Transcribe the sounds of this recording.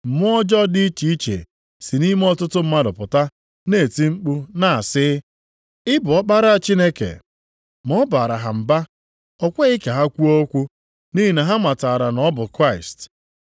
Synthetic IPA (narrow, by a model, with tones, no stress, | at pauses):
m̩˨mʊ˦ɔ˦d͡ʒɔ˦di˦t͡ʃi˨˦i˦t͡ʃḛ˨ | si˨ni˦me˦ɔ˦tʊ˦tʊ˦m̩˦ma˦dʊ˨pʊ˨ta˦ | ne˦˨ti˦ŋ͡m̩˦k͡pu˦na˨a˨sɪ˦ | ɪ˦bʊ˨ɔ˦k͡pa˦ɾa˦a˨t͡ʃi˦ne˦kḛ˨ | mɔ˦ba˨ɾa˨ɦa˨m̩˨ba˦ | ɔ˦˨kʷe˦i˦ke˨ɦa˦kʷu˦o˦kʷu˦ | ni˦i˨na˨ɦa˦ma˨ta˨ɾa˨nɔ˦bʊ˨kɾa˦˨ɪ˨st